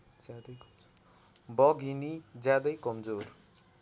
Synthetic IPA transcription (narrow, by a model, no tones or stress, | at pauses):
d̪ | bʌɡinid͡zjad̪ʌjkʌmd͡zor